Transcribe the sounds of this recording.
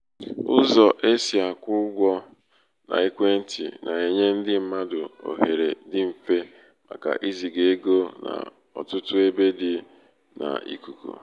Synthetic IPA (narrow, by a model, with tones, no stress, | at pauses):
ʊ˦zɔ˨ʔe˦si˨a˨kʷʊ˦ɡʷɔ˦ | na̰˨i˦kʷe˦n̩˦tḭ˨na˨e˨ɲe˦n̩˦dɪ˦m̩˦ma˦dʊ˨o̰˨ɦe˨ɾe˨dɪ˦m̩˨fe˦ | ma̰˨ka̰˨ʔi˦zi˨ɡe˨e˦ɡo˦na̰˨ | ɔ̰˨tʊ˦tʊ˦e˦be˦dɪ˨ | na̰˨ḭ˦ku˨kṵ˨